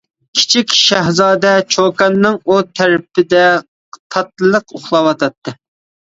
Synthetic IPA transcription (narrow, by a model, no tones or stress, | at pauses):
kʲʰi̥t͡ʃʰikʲʃæɦzɑːd̪ɛt͡ʃʰokɑnːɨŋut̪ʰæɾɪpɪd̪ɛ | qt̪ʰɑt̪lˠəqoχlˠɑwɑt̪ʰɑt̪ːɨ